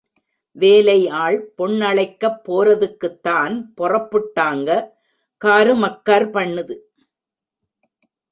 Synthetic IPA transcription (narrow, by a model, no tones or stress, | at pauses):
ʋeːlɐɪaːɭpɔɳːɐɭɐɪkːɐpːoːrɐðɯkːɯt̪ːaːnpɔrɐpːɯʈːaːŋɡɐ | kaːɾɯmɐkːaːɾpɐɳːɯðɯ